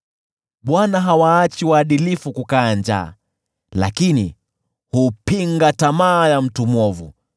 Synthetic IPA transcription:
ɓwanaɦawaːt͡ʃiwaːɗilifukukaːnd͡ʒa̰ː | la̰kinḭ | hupiŋɡatamaːjam̩tumɔvu

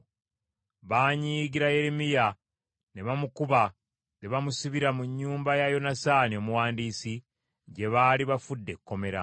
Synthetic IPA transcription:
βaːɲiːɡiɾaje̞ɾemija | ne̞βamukuβa | ne̞βamusiβiɾamuɲːuːmbajajo̞nasaːnio̞muwaːndiːsi | ɟe̞βaːliβafudːe̞kːo̞me̞ɾa̰

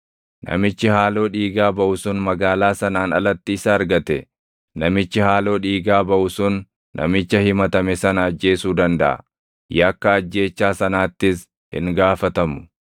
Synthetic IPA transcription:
nɐ̰mɪt͡ʃːɪhaːlo̞ːᶑiːɡaːbɐʔʊsʊnmɐɡaːlaːsɐnaːnɐ̰lɐt̪ːiːsɐɐɾɡɐt̪ɛ | nɐmɪt͡ʃːɪhaːlo̞ːᶑiːɡaːbɐʔʊsʊnː | ɐ̰mɪt͡ʃːɐhɪmɐt̪ɐmɛsɐnɐːd͡ʒːe̞ːsuːd̪ɐnd̪ɐʔɐ̰ | jɐkːɐːd͡ʒːe̞ːt͡ʃːaːsɐnaːt̪ːɪs | hɪ̰ŋɡaːfɐt̪ɐmʊ̥

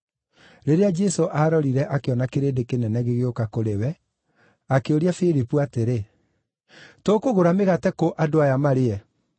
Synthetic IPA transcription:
ɾeɾead͡ʒɛsoʔaɾɔɾiɾɛʔakeɔnakeɾeːdekenɛnɛɣeɣeokakoɾewɛ | akeoɾiafiɾipuateɾe | toːkoɣoɾameɣatɛkoʔadoajamaɾeɛ

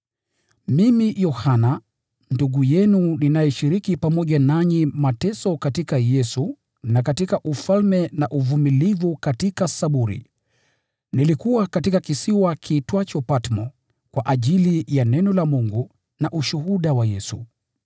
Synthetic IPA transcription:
mimijɔhana | nduɡujɛnuninajɛʃiɾikipamɔʄanaɲimatɛsɔkatikajɛsu | nakatikaʔufalmɛnaʔuvumilivukatikasaɓuɾḭ | nilikuwakatikakisiwakʰitwat͡ʃɔpatmɔ | kwaʔaʄilijanɛnɔlamuŋɡu | naʔuʃuhuɗawajɛsṵ

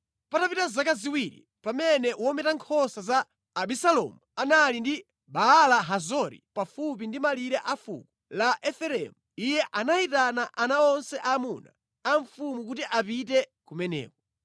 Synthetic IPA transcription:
patapitazakaziwiɾḭ | pamɛnɛwɔmɛtaŋkʰɔsazaː | ɓisalɔ̰muanalindi | ɓaːlaɦazɔɾḭpafup̬indimaliɾɛʔafṵkulaʔɛfɛɾɛ̰muijɛʔanaitanaʔanaɔnsɛʔamuna̰ː | ɱfumukutiʔapitɛkumɛnɛ̰ːkɔ

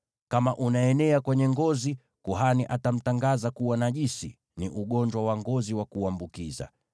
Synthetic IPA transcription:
kamaʔunaɛnɛakwɛɲɛŋɡɔzi | kuɦaniʔatam̩taŋɡazakuwanaʄisi | niʔuɠɔɲd͡ʒwawaŋɡɔziwakuambukiza̰

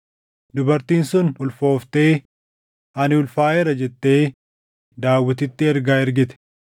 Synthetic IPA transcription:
d̪ʊbɐɾt̪iːnsʊnʊlfo̞ːft̪e̞ː | ɐnɪʊlfaːɛɾɐd͡ʒɛt̪ːe̞ː | d̪aːwːɪt̪ɪt̪ːɪɛɾɡaːɛɾɡɪt̪ɛ̥

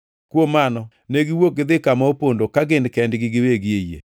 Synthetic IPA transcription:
kwomanɔ | neɡɪwok̚ɡɪd̪ɪkamaopondokaɡɪnkɛndɡɪɡɪweɡɪejḛ

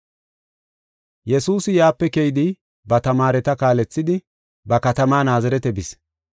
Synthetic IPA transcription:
jɛsuːsɪjaːpːɛkɛjɪd̪ɪ | bɐt̪ɐmaːɾɛt̪ɐkaːlɛt͡sːɪd̪ɪ | bɐkɐt̪ɐmaːnaːzɐɾɛt̪ɛbɪs

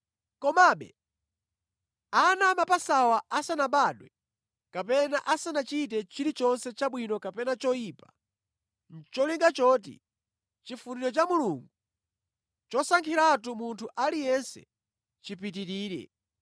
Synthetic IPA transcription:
kɔmaɓɛ̰ | anamapasawaasanaɓaɗwɛ | kapɛna̰ʔasanat͡ʃit̬ɛt͡ʃiɾit͡ʃɔnsɛt͡ʃaɓwinɔkapɛnat͡ʃɔjiːpa | n̩t͡ʃɔliŋɡat͡ʃɔːt̬ḭ | t͡ʃifuniɾɔt͡ʃamuluŋɡu | t͡ʃɔsaŋkʰiɾat̬umuntʰuʔalijɛnsɛ̰ | t͡ʃipit̬iɾiːɾɛ̰

